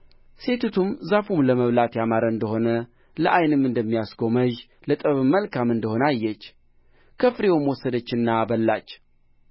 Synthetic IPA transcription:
se̞t̪ʰut̪ʰumzafumləməβlat̪jamaɾəɨnd̪əho̞nə | ləʔajnɨmɨnd̪əmːijasɡo̞məʒ | lət̪ʼəβɨmːəlkʰamɨnd̪əho̞nəajːɛt͡ʃː | kʰəfɾewmwɔsːəd̪ət͡ʃːɨnːabəlːat͡ʃː

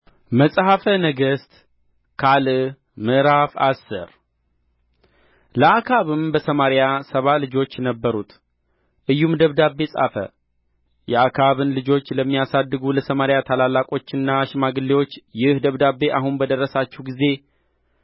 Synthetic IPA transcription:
məsʼhafənəɡəst̪ | kʰal | mɨɾafa̰sːɨ̰ɾ | ləakʰaβɨmbəsəmaɾɪjasəβalɨd͡ʒo̞t͡ʃːnəbːəɾut̪ʰ | ʔɨjːumd̪əβd̪abːe̞sʼa̰fə̰ | jɛʔakʰaβɨnlɨd͡ʒo̞t͡ʃːləmːijasad̪ːɨɡuləsəmaɾjat̪ʰalalːakʼo̞t͡ʃːɨnːaʃɪmaɡɨlːewo̞t͡ʃːjɪhd̪əβd̪abːe̞ʔaɦunbəd̪ərːəsat͡ʃːɛwɡize̞

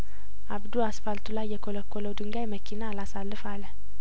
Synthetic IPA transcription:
ʔabd̪uasfalt̪ʰulajːɛkʰoləkʰːoləwd̪ɨŋɡajməkʰinalasalːɨfalːə

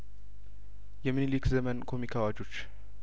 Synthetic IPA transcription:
jɛminilikzɛmənkʰomikʰawad͡ʒut͡ʃ

